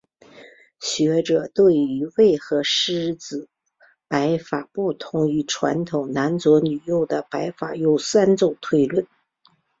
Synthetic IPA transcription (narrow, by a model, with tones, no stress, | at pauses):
ɕɥɛ˧˥ʈ͡ʂɤ˨˩t̪we˥˩ɪy˧˥we˥˩ɪxɤ˧˥ʂɻ̩˥t͡sɹ̩˨˩ | pa˧˥ɪfa˨˩pu˥˩t̪ʰʊ˧˥ŋy˧˥ʈ͡ʂʰwa̰˧˥nt̪ʰʊ˨˩ŋna˧˥nt͡swɔ˧˥ny˨˩jo˥˩ʊd̪ə˩pa˧˥ɪfa˨˩jo˥˩ʊsa˥nt͡so˥˩ʊt̪ʰwe˥˧ɪlwə˥˩n